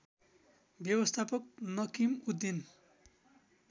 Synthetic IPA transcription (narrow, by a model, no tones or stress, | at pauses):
bjʌwʌst̪ʰapʌk̚nʌkimud̪ːin